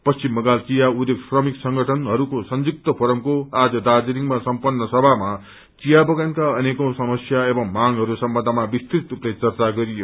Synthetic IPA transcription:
pʌst͡simːʌɡalt͡sijaud̪jeksrʌmiksʌŋɡʱʌʈʰʌnɦʌɾukosʌnd͡zuk̚t̪ʌpʰoɾʌmkoad͡zʌd̪ad͡ziɾiŋmasʌmpʌnːʌsʌbʱama | t͡sijabʌɡankaʌnekosʌmʌsjaebʌŋmaŋɦʌɾusʌmbʌnd̪ʱamabist̪rit̪upʌjt͡sʌrt͡saɡʌɾijo

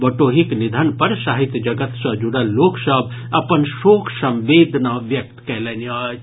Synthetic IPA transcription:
bəʈoɦiknid̪ʱənpəɾsaɦit̪jd͡ʒəɡət̪sə̃d͡ʒuɽəlːoksəb̚ | ɐpənsoːkʰsə̃mʋed̪ʱnaʋjək̚t̪kɛlɛnia

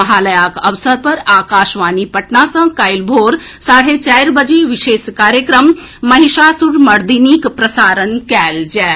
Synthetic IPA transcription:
ɐɦaːləjaːkɐʋsəɾpɐɾaːkaːʃʋaːnipɐʈnasɐ̃kajlbʱoːɾ | saːɽ̤et͡ʃaːjɾbəd͡ʒeʋɪʃeːskaːɾjəkɾəmː | ɐɦiʃaːsuɽmɐɾd̪iniːkpɾɐsaːɾənkɛːld͡ʒɛː

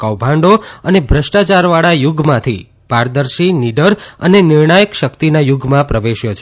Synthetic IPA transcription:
kəwbʱãɳɖoənebʱɾəʃʈat͡ʃaɾʋaɭajʊɡʱmãt̪ʰi | bʱaɾd̪əɾʃiniɖəɾə̰nenɪɾɳajəkʃəkt̪inajuɡʱmãpɾəʋeʃjot͡ʃʰe

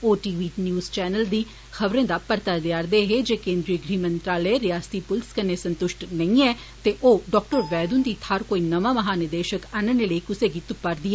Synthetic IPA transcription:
oːʈiːʋiːnjuːzt͡ʃɛːnəld̪iː | xəʋɾẽːd̪aːpəɾt̪aːd̪ejaːɾd̪eːɦeːd͡ʒeːkẽːnd̪ɾiəɡɾiːmə̃nt̪ɾaːləeɾɪjaːst̪iːpʊlskəneːsə̃nt̪ʊʃʈnəĩːɛː | t̪eːʔoːɖɔːk̚ʈəɾʋɛːd̪ʊnd̪iːt̪ʰaɾkoːiːnəʋãːməɦaːnɪd̪eːʃəkanəneləiːkʊseːɡiːt̪ʊpːəɾd̪iːɛː

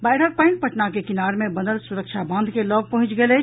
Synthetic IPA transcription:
baːɪɽək̚pãɪ̃ʈ̚pəʈnakekɪnaːɾmẽbənəlsuɾəkʃʰabə̃nd̪ʱkelɔːɡ̚pɐɦʊ̃t͡ʃɡelɛ

